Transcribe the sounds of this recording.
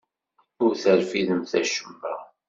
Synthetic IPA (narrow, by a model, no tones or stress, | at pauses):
ʊɾθəɾfiðəmθæʃəmːæ̰